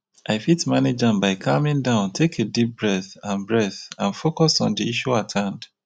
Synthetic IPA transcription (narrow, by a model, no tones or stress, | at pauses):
ʔaɪfitmaned͡ʒãnbaɪkʰamĩndãʊ̃ntʰekʰedip̚bɹɛθãnbɹɛθãnfokɔsɔ̰̃ndiiʃuathãnd̥